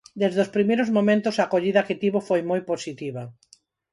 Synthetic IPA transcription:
d̪ezðospɾimejɾozmomẽnt̪osaːkoʎiðɐket̪iβofojmojposit̪iβɐ

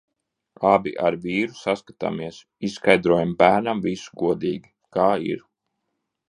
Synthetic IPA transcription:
abḭʔa̰ɾviːɾusaskat̪a̰miɛs | issːkajd̪ɾuɔjambæːɾnamvisu̥ɡuɔd̪iːɡi | kaːḭɾ

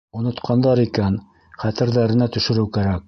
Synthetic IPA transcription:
ŏnŏt̪qʰɑnd̪ɑɾikæn | χæt̪ɘ̆ɾðæɾɘ̆næt̪ɵ̆ʃɘ̆ɾɘwkæɾæk̚

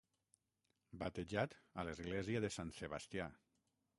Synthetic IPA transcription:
bat̪eʒat̪alezɣlɛziəðesanseβast̪ja

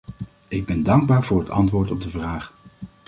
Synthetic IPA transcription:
ɪɡ̚bɛndɑŋɡ̚baːɹvʊːɹɦətɑ̰ntʋʊːɹtɔb̚dəvraːχ

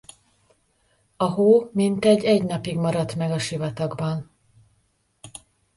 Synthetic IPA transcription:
ɒɦoːmint̪ɛɟɛɟnɒpiɡmɒɾɒt̪mɛɡɒʃivɒt̪ɒɡbɒn

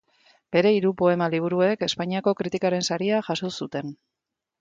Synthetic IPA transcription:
b̥e̞ɾe̞iɾupo̞e̞maliβ̞uɾue̞ke̞spaɲiako̞kɾit̪ikaɾe̞nsaɾiaʝasosut̪e̞n

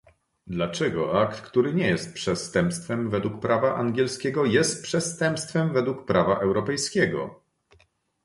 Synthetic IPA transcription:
d̪lat͡ʂɛɡɔ̰ʔakt̪kt̪uɾɘɲɛjɛst̪̚pʂɛst̪ɛmpst̪fɛmvɛd̪wuk̚pɾʔavaʔaŋɡʲjɛlskʲɛɡɔjɛst̪̚pʂɛst̪ɛmpst̪fɛmvɛd̪wukpɾavaʔɛwɾɔpɛjskʲɛɡɔ̰

